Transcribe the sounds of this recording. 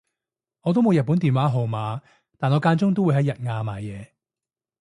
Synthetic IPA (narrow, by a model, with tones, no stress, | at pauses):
ŋɔː˨˧t̪o˥wmo˨˧wjɐ˨t̚puː˨˥nt̪iː˨˩nwaː˨˥ɦo˨wmaː˨˧ | t̪aː˨nɔː˨˧kaː˧nt͡sʊ˥ŋt̪o˥wu˨˧jɦɐ˨˥jɐ˨t̚ŋaː˧maː˨˩jjɛː˨˧